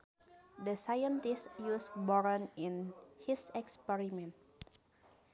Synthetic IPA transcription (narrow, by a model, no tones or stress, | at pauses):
dəsajə̃nt̪istjusbɔɹə̃nĩnhisɛkspɛɾimɛ̃nt̚